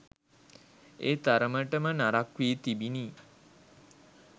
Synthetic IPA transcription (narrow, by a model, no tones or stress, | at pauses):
eːt̪aɾəməʈəmənaɾakʋiːt̪ibini